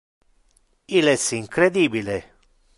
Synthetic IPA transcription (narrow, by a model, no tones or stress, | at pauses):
ilɛsiŋkɾed̪iːbile